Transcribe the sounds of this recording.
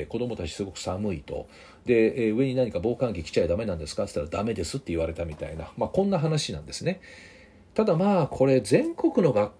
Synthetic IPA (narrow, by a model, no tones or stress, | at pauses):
ko̞d̪o̞mo̞t̪at͡ɕi̥sɨɡo̞kɯ̟̥samɯ̟it̪o̞̰ | d̪e̞ɯ̟e̞ɲ̟inaɲ̟ikabo̞ːkãŋɡʲikʲi̥t͡ɕaid̪ame̞nãnd̪e̞sɨ̥kat̪ːe̥t̪ːaɾad̪ame̞d̪e̞sɨt̪ːe̞iβaɾe̞t̪amʲit̪a̰ina̰maːkõ̞nːaɦanaɕinã̰nd̪e̞sɨne̞ | t̪ad̪amaːkʰo̞ɾe̞zẽ̞ŋko̞kɯ̟no̞ɡakː